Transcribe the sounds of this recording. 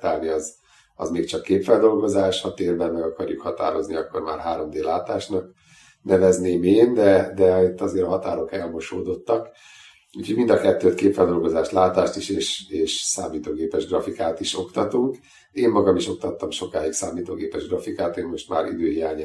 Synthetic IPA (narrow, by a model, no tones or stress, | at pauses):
t̪aːlniɒz | ɒ̰zmeːkt͡ʃɒkːeːpfɛld̪o̞lɡo̞zaːʃhɒt̪eːrbɛnmɛɡɒkɒrjukhɒt̪a̰ːɾo̞zniɒkːo̞̰rma̰ːrɦaːɾo̞md̪eːlaːt̪aːʃnɒk | nɛvɛzneːmeːnd̪ɛd̪ɛit̪ːɒzeːɾɒɦɒt̪aːɾo̞kɛlmoʃoːd̪o̞t̪ːɒk | uːcho̞ɟmind̪ɒkɛt̪ːøːt̪keːpfɛld̪o̞lɡo̞zaːʃt̪laːt̪aːʃt̪iʃeːʃeːʃsaːmiːt̪oːɡeːpɛʒɡrɒfikaːt̪iʃo̞kt̪ɒt̪uŋk | eːmːɒɡɒmiʃo̞k̚t̪ɒt̪ːɒmʃo̞kaːjiksaːmiːt̪o̰ːɡeːpɛʒɡrɒfikaːt̪eːmmo̞ʃt̪ma̰ːɾḭd̪øːɦijaːɲ